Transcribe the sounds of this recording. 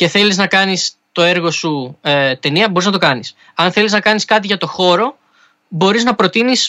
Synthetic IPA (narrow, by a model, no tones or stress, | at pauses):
ce̞θe̞liznɐkɐnis | t̪o̞e̞ɾɣo̞sut̪e̞niɐboɾiznɐt̪o̞kɐnis | ɐnθe̞liznɐkɐniskɐt̪̬iʝɐt̪o̞xo̞ɾo̞ | bo̞ɾiznɐpɾo̞t̪inis